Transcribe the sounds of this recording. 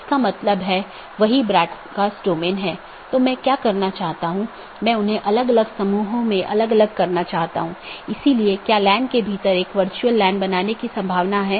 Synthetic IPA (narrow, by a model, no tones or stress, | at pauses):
ɪskamɐt̪ləbɦɛː | ʋɐɦibɾaːʈʰkasʈoːmenɦɛː | t̪oːmɛ̃ːkjaːkɐɾnat͡ʃaːɦt̪aɦũ | mɛ̃ʊnɦẽʔɐləɡɐləɡsɐmuːɦõmẽʔɐ̰ləɡɐləɡ̚kɐɾnat͡ʃaːɦt̪a̰ɦũːɪsiliekjaːlɛ̃ːɳɖkebʱiːt̪əɾeːkʋɐɾt͡ʃuəlːɛ̃ːɳɖbɐnaːnekisɐ̃mbʱaːʋnaɦɛː